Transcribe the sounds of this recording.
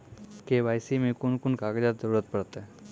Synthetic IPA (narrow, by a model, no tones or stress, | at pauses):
keʋaːjsimẽkʊnkʊnkaːɡd͡ʒaːt̪zəɾuːɾət̪̚pəɽt̪eɦɛ